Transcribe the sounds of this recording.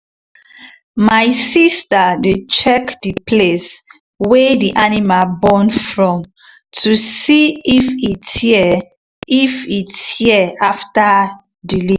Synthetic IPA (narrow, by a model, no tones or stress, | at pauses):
maɪsistadet͡ʃɛkdiples | wɛdiʔanimalbɔ̃nfɹɔ̃m | tʰusiifit | ifithiɛafta | dili